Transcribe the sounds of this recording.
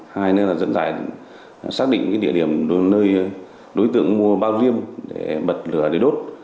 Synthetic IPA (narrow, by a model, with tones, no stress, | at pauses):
haː˧jnəː˧laː˨˩zə̰˧˥nza̰ː˧˩j | saː˦˥k̚ɗḭ̈˧˨ŋkaː˨˦jɗḭ˧˨əɗi˧˩əmnəː˧j | ɗo˨˦jt̪ɨ̰˧˨ə˨ŋmu˧əɓaː˧wzi˧əmɗe˧˩ɓə˨˩t̚lɨ˧˩ələ˨˧˦jɗo˦˥t̚